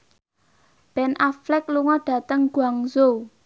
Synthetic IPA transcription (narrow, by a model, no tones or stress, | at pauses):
b̥ɛnʔaflɛk̚luŋɔɖ̥a̤t̪əŋɡ̥uaŋzo